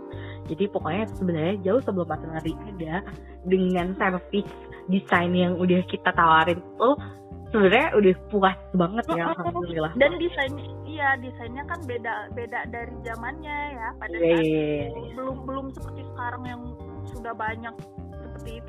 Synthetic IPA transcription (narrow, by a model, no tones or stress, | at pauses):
d͡ʒadipokoɲat̪usəbənarɲad͡ʒaʊhsəbəlʊmat̪anaɾiʔada | dəŋant̪ɛnfɪk | disajnjaŋudahkit̪at̪awaɾɪnt̪u | səbənarɲaʔudahpua | baŋət̪̚jahaulnilahdandisajnɲait̪ijadisajnɲakanbedaʔbedaʔdaɾid͡ʒamanɲajapadaja | bəlʊmbəlʊmsəpərt̪isə̥kaɾaŋjaŋ | sudahbaɲak̚səpərt̪iːt̪u